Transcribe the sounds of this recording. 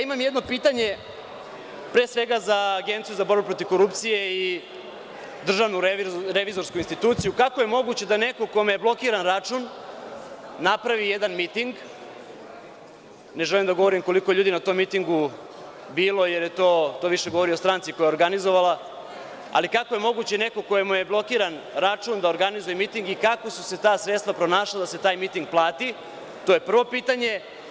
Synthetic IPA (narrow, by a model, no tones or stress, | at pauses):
jaimamjed̪no̞piːt̪aɲe̞ | pɾe̞ːsʋe̞ɡazaːɡe̞nt̪sijuzabo̞ɾbepɾo̞t̪ivko̞ɾupt̪sije̞i | d̪r̩ʒaʋnuɾɾeʋizo̞ɾskuinst̪it̪uːt̪sijukako̞je̞mo̞ɡut͡ɕe̞d̪ane̞ko̞ko̞mejeblo̞kiːɾanɾat͡ʃun | apɾaʋijed̪anmit̪iŋɡ | ne̞ʒelimd̪aɡo̞ʋo̞ɾimko̞likojʎuːd̪inat̪o̞ːmːit̪iŋɡu | biːlo̞je̞ɾje̞t̪o̞ːt̪o̞ːʋiʃe̞ɡoʋo̞ɾijost̪ɾaːnt̪siko̞jaoɾɡanizoʋala | a̰likakoje̞mo̞ɡut͡ɕene̞ko̞ko̞jemuje̞blˠo̞kiːɾan | ɾat͡ʃuːnd̪aoɾɡanizujemit̪iŋɡikako̞su̥se̞t̪aːsɾet̪st̪ʋapɾo̞naːʃlad̪ase̞t̪aːjmit̪iŋɡ̚plˠaːt̪i | t̪oje̞pr̩ʋo̞piːt̪aɲe̞